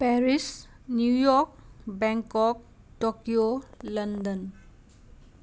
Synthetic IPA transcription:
pɛɾis | njujɔɾk̚bɛ̃ŋkɔk̚ | ʈokijoləndən

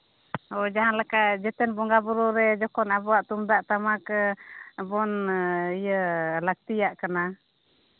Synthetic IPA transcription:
ɔd͡ʒaɦanlakaʔd͡ʒɛt̪ɛnbɔŋɡabɔɾɔɾɛd͡ʒɔkɔnabɔwaʔt̪umd̪aʔt̪amakəbɔnijəlak̚t̪ijaʔkana

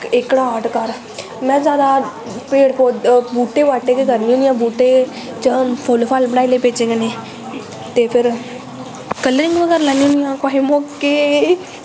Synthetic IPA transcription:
ekɽaːʈkəɾ | mɛ̃ːzjaːd̪a | peːɽpoːbuːʈeʋaːʈekekəɾniũːnjãːbuːʈeː | t͡ʃəpʰoːlopʰaːlbəɽaːilepeːt͡ʃẽɡəneː | t̪epʰɪɾ | kələɾɪ̃ŋɡʋəɡɛːɾlaːniũnjãːkwaːɦimoːke

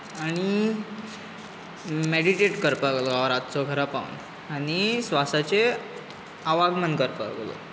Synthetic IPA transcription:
añi | meɽiʈeʈkəɾpəɡloaʋɾat̪t͡sɔɡʱəɾapaʋṵn | aɽ̃isʋasat͡se | aʋaɡmənkəɾpəɡlɔ̰

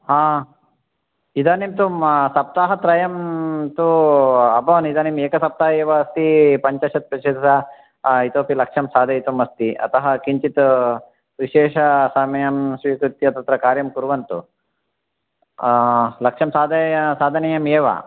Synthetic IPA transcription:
hãː | id̪aːnimt̪umsɐp̚t̪aːɦɐt̪ɾɐjɐmt̪uɐbʱɐʋɐnid̪aːnimeːkɐsɐp̚t̪aːɦɐeːʋɐɐst̪ipɐɲt͡ʃɐʃɐt̪̚pɾɐʃed̪sɐ | it̪oːpilɐkʂɐmsaːd̪ʱɐjit̪umɐst̪iɐ̰t̪ɐɦɐkiɲt͡ʃit̪ | ʋiʃeːʃɐsɐmɐjamsʋiːkɾut̪ːiɐt̪ɐt̪ɾɐkaːɾjɐmkuɾʋɐnt̪ṵ | lɐkʂɐmsaːd̪ɐsaːd̪ʱɐnɐjɐmeːʋɐ̰

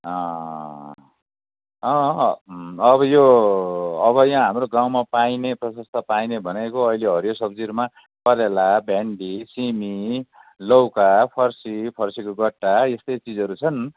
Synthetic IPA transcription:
ʌ̃ | ʌ̃ | ʌbʌjo | ʌbʌjãɦamroɡaw̃mapaineprʌsʌst̪ʰʌpainebʱʌnekoʌileɦʌɾjosʌbd͡ziɾma | pʌɾelabʱeɳɖisimi | lʌwkapʰʌrsipʰʌrsikoɡʌʈːaest̪ʌjt͡sid͡zɦʌɾut͡sʰʌn

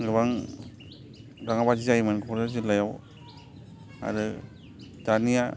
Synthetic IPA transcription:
ɡɯβaŋ | ɾaŋabad͡ʒizajmɯnkʰɔɾɯzɯlajaw | a̰ɾɯ | danija

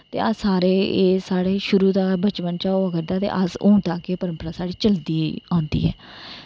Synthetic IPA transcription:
t̪ḛːəsaːɾeːeːsaːɽeːʃʊɾuːd̪aːbət͡ʃpənt͡ʃaːoːəɡəɾd̪aːt̪ḛːʔəsʊːɳt̪aːkeːpəɾəmpəɾaːsaːɽiːt͡ʃəld̪iːãːnd̪ḭːɦɛ̰ː

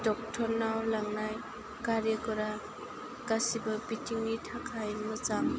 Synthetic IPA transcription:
dɔk̚tʰɔɾnawlaŋnaj | kaɾjəkɔɾa | kasibəbitʰiŋnitʰakʰajnmɯt͡ʃaŋ

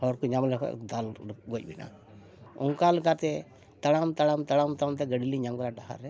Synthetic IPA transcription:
hɔɾkuɲamlɛkʰɔ̰d̪alɡɔc̚ˀbina̰ | ṵŋkalkat̪ɛ | t̪aɽamt̪aɽamt̪aɽamt̪amt̪ɛɡəɽiliɲaŋɡɾaɖaɦa̰ɾɛ

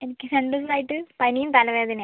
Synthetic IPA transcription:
e̞nikʲːɨseɳɖus̬ilaːjiʈːɨpɐnijumt̪ɐlɐʋeːɐðin

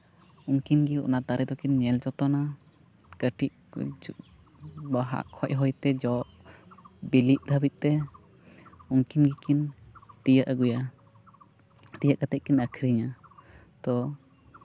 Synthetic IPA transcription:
uŋkinɡiɔnat̪aɾɛd̪ɔkinɲɛlt͡ʃɔt̪ɔna | kəʈʰiʔ | baɦa̰ʔkʰɔcʔ̚ˀɦɔjt̪ɛd͡ʒɔʔ | biliʔ̪̚d̪ʱəbit̪̚t̪ɛ | uŋkinɡikint̪ijəʔəɡuja | t̪ijaʔkat̪ɛʔ̚kinəkʰɾiɲa | t̪ɔ

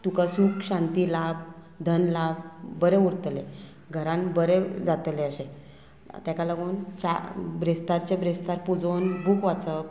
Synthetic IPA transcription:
t̪ukasuːkɕãnt̪ilab̚ | d̪ʱənlab̚bəɾẽuɾt̪le | ɡʱəɾãnbəɾed͡zat̪leəɕẽ | t̪ãkalaɡuːnt͡ɕabɾest̪aɾt͡ɕebɾest̪aɾpud͡zonbukʋat͡sə

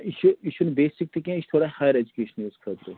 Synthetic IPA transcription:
ɪʃuɪʃunebeːsɪk̚t̪ʰikẽɪʃt̪ʰoːɽahaːjəɾed͡ʒukeːʃəniʊskʰət̪ɾeː

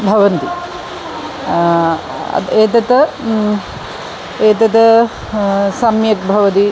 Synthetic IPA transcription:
bʱɐʋɐnt̪i | ɐ̰eːt̪ɐt̪ɐ | eːt̪ɐt̪ɐ | sɐmjɐk̚bʱɐʋɐt̪i

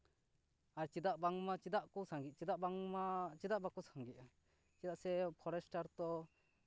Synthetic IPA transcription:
aɾt͡ʃid̪aʔbaŋmat͡ʃid̪aʔkɔsaŋɡit̪̚t͡ʃid̪aʔbaŋmat͡ʃid̪aʔbakɔsaŋɡit̪̚a | t͡ʃid̪aʔsɛpʰɔɾɛsʈaɾt̪ɔ

